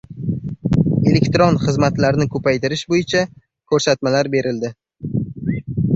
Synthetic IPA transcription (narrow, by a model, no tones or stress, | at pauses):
e̞le̞kʲt̪ɾonχɨzmat̪laɾɪnɪkʰɵpʰajt̪ɪɾɪʃbojɪt͡ʃʰa | kʰɵɾsat̪malaɾbe̞ɾʔɪld̪ɪ